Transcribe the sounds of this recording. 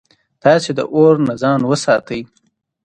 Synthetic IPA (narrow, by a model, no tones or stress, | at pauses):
t̪ɑsed̪ə̰ʔoɾnazɑnwəsɑt̪əj